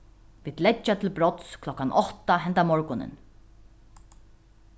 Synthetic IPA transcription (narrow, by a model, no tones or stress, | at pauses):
viːd̪lɛt͡ʃːat̪ʰɪlbɾɔt̪skʰlɔkːanʔɔht̪aɦɛnt̪amɔɹkʊnɪ̰n